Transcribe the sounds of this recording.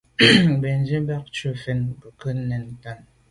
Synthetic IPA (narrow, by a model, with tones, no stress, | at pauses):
be˨n˦d͡ʒi˦ba˦k̚t͡ʃu˦fe˦nbə˨kə˦nː˦ɛ˨n˦ta˦˨n